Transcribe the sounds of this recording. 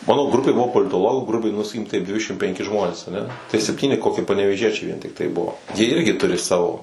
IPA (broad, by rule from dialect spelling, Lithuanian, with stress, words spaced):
ˈmɑːnoː ˈɡrʊpʲeː ˈbʊʋoː poːlʲɪtoːˈlˠoːɡuː ˈɡrʊbʲɛɪ nʊ sɐˈkʲiːkʲɪm ˈtɐɪp ˈdʲʋʲɪdʲɛʃʲɪmt pʲɛŋʲˈkʲɪ ˈʒmoːnʲeːs ɐˈnʲɛ tɐɪ sʲɛpʲˈtʲiːnʲɪ ˈkoːkʲɪ pɐnʲɛʋʲeːˈʒʲiɛt͡ʃʲɛɪ ʋʲiɛn tʲɪkˈtɐɪ ˈbʊʋoː jiɛ ˈɪrʲɡʲɪ ˈtʊrʲɪ ˈsɑːʋoː